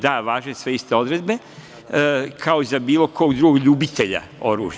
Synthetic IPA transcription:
d̪aʋaːʒnesʋe̞ist̪e̞o̞d̪ɾe̞d̪be̞ | kʰao̞izabiːlo̞ko̞ɡd̪ɾuɡoɡʎubit̪e̞ʎa̰ | o̞ɾuːʒ

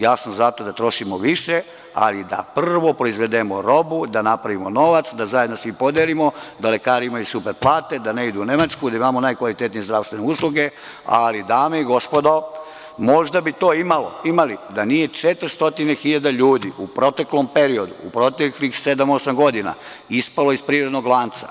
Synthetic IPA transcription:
jaːsaozat̪o̞d̪at̪ɾo̞ʃimoʋiʃe | a̰lid̪a̰prrʋo̞pɾo̞izʋe̞d̪emoɾo̞bud̪anapɾaʋimo̞no̞ʋat̪sd̪azaje̞d̪nosʋipo̞d̪elimod̪ale̞kaːɾiimajusupeɾplˠaːt̪e̞d̪aneid̪uːne̞mat͡ʃkud̪aimamonajkʋalit̪et̪nije̞zd̪ɾaʋst̪ʋe̞neuslˠuɡe | a̰lid̪aːmeiɡo̞spo̞d̪o̞ | mo̞ʒd̪abit̪o̞ːimalo̰imalid̪anijet͡ʃet̪ɾst̪o̞t̪inexiʎad̪aʎuːd̪iʔupɾo̞t̪e̞klo̞mpe̞ɾio̞d̪ṵupɾo̞t̪eklixse̞d̪amo̞samɡo̞d̪ina̰ | ispalo̞ispɾiːɾod̪noɡlˠaːnt̪sḁ̰

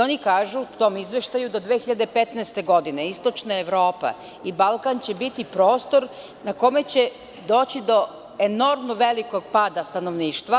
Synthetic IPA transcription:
o̞nikaːʒut̪o̞ːmizʋe̞ʃt̪ajud̪o̞d̪ʋeːxiʎad̪e̞pet̪naest̪e̞ɡo̞d̪ine̞ist̪o̞t͡ʃnaeʋɾo̞ːpa̰ | ibalˠkant͡ɕe̞bit̪ipɾo̞ːst̪o̞ɾ | nako̞me̞t͡ɕe̞ | d̪oːt͡ɕid̪o̞ | eno̞ɾmnoʋeliko̞ɡpaːd̪ast̪ano̞ʋniːʃt̪ʋa

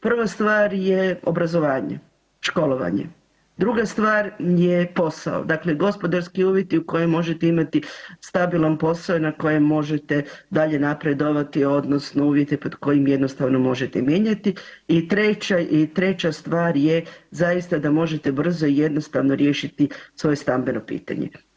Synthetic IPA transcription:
pr̩ʋast̪ʋaːɾjeo̞̰bɾazo̞ʋaːɲḛ | ʃko̞lo̞ʋa̰ɲḛ | d̪ɾuɡast̪ʋaːɾjepo̞sa̰o̰d̪aːkleɡo̞spo̞d̪aɾskiuːʋjet̪iuko̞jemːo̞ʒet̪eimat̪ist̪abilˠanpo̞saonako̞je̞mːo̞ʒet̪e̞d̪aʎe̞napɾe̞d̪o̞ʋat̪io̞d̪no̞sno̞uːʋje̞t̪epo̞d̪ko̞jimje̞d̪no̞st̪aʋno̞mo̞ʒet̪emje̞ːɲat̪iit̪ɾet͡ɕaʔit̪ɾe̞t͡ɕast̪ʋaːɾje̞zajist̪ad̪amo̞ʒet̪e̞br̩zoije̞d̪nost̪aʋno̞ɾje̞ːʃit̪isʋo̞je̞st̪ambe̞no̞pḭːt̪a̰ɲḛ

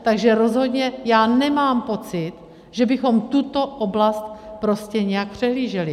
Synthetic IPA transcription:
t̪aɡʒɛɾo̞zɦo̞d̪ɲɛjaːnɛmaːmpo̞t͡sɪt̪ | ʒ̥ɛbɪxo̞mt̪ut̪o̞ʔoblast̪pɾo̞scɛɲɛjak̚pr̝̥ɛɦliːʒɛlɪ

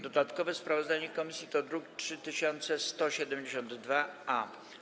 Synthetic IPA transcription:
d̪ɔd̪at̪kɔvɛspɾavɔzd̪aɲɛkɔmʲisʲjit̪ɔd̪ɾuktʂɘt̪ɘɕɔnt̪sɛst̪ɔɕɛd̪ɛmʲd͡ʑeɕɔnd̪ːvaa

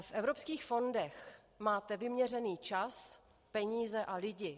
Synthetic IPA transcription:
fʔɛvɾo̞pskiːxfo̞ndɛx | maːt̪ɛvɪmɲɛr̝ɛniːt͡ʃas | pɛɲiːzɛʔalɪɟɪ

